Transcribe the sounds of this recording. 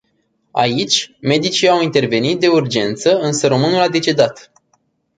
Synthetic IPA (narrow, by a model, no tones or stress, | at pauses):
a̰it͡ʃʲme̞d̪it͡ʃiawint̪e̞rve̞nit̪̚d̪e̞urd͡ʒe̞nt̪səɨnsəɾo̞mɨnulad̪e̞t͡ʃe̞d̪at̪